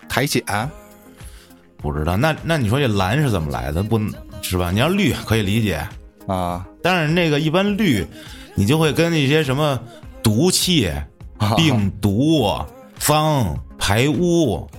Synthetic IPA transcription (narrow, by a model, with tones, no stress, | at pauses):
t̪ʰa˧˥ɪt͡ɕʰi˨˩ʔa˧˥n | pu˥˩ʈ͡ʂɻ̩˥d̪ə˨˩na˥˩na˥˩ni˨˩ʂwɔ˥ʈ͡ʂe˥˩la̰˧˥nʂɻ̩˥˩t͡sə˨˩nmə̰˦lʔa̰˧˥ɪd̪ə˧pu˥˩ʂɻ̩˥˩ba˩ni˨˩jɑ˥˧ʊly˥˩kʰɤ˧˥i˨˩li˧˥t͡ɕjɛ̰˨˩˦ | t̪a˥˧nɻne˥˩ɡə˩i˥˩pa˥nly˥˩ | ni˨˩t͡ɕjo˥˧ʊxwe˥˩ɪkə˥ni˥˩ɕ̬jɛ˥ʂ̬ə˧˥nmə˧t̪u˧˥t͡ɕʰi˥˩pi˥˩ŋt̪u˧˥ | fɑ˥ŋpʰa˧˥ɪu˥